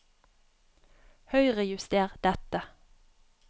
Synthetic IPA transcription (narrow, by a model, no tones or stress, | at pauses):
hœʏʁəjʉst̪eːʁd̪̥ɛt̪ə